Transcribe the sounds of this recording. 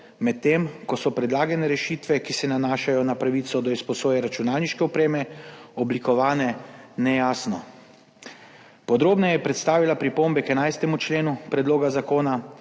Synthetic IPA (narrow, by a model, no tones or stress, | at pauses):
mɛt̪ːeːmkɔsɔpɾɛd̪laːɡɛnɛɾɛʃiːt̪ʋɛkisɛnanaːʃajɔnapɾaʋiːt̪sɔd̪ɔispɔsoːjɛɾat͡ʃunaːlniʃkɛupɾeːmɛɔblikɔʋaːnɛnɛjaːsnɔ | pɔd̪ɾoːbnɛjɛpɾɛt̪st̪aːʋilapɾipoːmbɛkɛnajst̪ɛmut͡ʃleːnupɾɛd̪loːɡazakoːna